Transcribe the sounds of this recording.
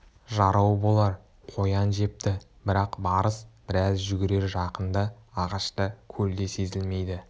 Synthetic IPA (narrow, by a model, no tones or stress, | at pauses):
ʒɑɾɑwbo̞lˠɑɾ | qʰo̞jɑnʒe̞p̚t̪ɪ | bɪɾɑqbɑɾəsb̥ɪɾæzʒʏɡʲɪɾe̞ɾʒɑqənd̪ɑɑʁɑʃt̪əkʲʰɵld̪e̞se̞zɪlme̞jd̪ɪ